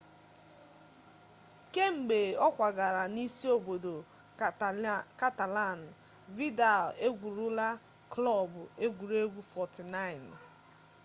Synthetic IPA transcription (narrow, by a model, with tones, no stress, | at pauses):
ke˦ŋ͡m̩˨ɡ͡be˨ɔ˦kʷa˨ɡa˨ɾa˨ni˦si˦o˨bo˨do˨ | ka˦ta˨la˦˨n̩˨ | vi˦da˨le˦ɡʷu˨ɾu˦la˦ | klɔ˦˨bʊ˨e˦ɡʷu˨ɾu˦e˦ɡʷu˦fɔ˨ti˨na˦˨ɪ˨n